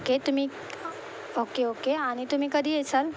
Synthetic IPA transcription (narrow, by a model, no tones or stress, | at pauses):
oket̪um̤ĩ | okeoːkeaɽ̃it̪um̤ĩkəd̪ʱiesəl